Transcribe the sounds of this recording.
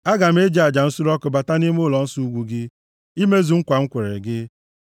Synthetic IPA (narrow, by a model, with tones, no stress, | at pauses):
a˦ɡa˨m̩˦e˦d͡ʒa˨d͡ʒa˨n̩˦su˦ɾɔ˦kʊ˨ba˨ta˦ni˦m˦ʊ˦˨lɔ˨n̩˦su˦u˦ɡʷu˨ɡɪ˦ | i˦me˦zu˨ŋ̩˦kʷa˨ŋ̩˦kʷe˨ɾḛ˨ɡɪ˦